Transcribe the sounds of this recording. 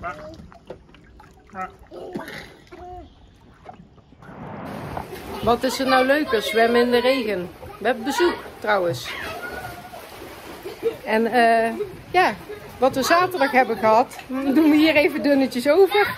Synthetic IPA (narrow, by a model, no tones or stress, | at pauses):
ʋɑtɪsəɹnawløɥkəsʋɛmɪndərejɣənʋəɦɛbəbəzuktrɑwəns | ɛnəː | jaː | ʋɑtʋəzaːtərdɑχɦɛbəɣəɦɑtduməɦiːrejvədɵnəcəsowvər